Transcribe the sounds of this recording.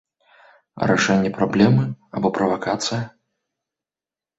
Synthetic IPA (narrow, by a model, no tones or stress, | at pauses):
ɾa̰ʂɛnʲːɛpɾablʲɛmɨa̰bɔpɾɐvakat̪sɨjɐ